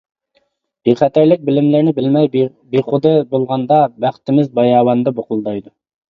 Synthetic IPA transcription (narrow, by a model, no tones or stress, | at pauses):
b̥eχæt̪ʰæɾlɪk̚ʲbɪlɪmlɪɾnɪbɪlmɛj | beχod̪ɨbolˠʁɑnd̪ɑbæχt̪ɪmɪzbɑjɑːwɑnd̪ɑboqʊlˠd̪ɑjd̪u